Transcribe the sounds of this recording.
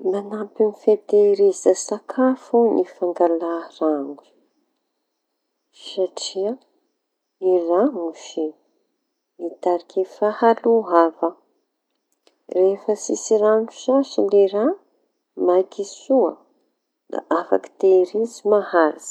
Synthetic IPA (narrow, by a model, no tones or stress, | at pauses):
manapinifet̪eɾizəsakʰafunifaŋɡalaraŋɡu̥ | saʈ͡ʂia | iraŋuʃi | it̪aɾikʰefahaluɦavə | refəsisiranuʃasuleɾa | majkʰisuə̰ | d̪a̰ʔafa̰ki̥t̪eɾizimahaɾazi̥